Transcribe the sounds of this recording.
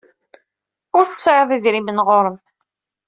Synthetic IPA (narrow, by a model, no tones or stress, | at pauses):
ʊɾθə̥sˤʕəðˤiðɾimənʁoɾˤəm